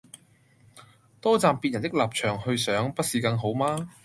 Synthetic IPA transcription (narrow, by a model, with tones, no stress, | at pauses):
t̪ɔː˥t͡saː˨mpi˧t̚jɐ˨˩nt̪ɪ˥k̚laː˨p̚t͡ʃʰœː˨˩ŋhɵ˧ɥsœː˨˥ŋpɐ˥t̚siː˨˩kɐ˧ŋɦo˨˥wmaː˥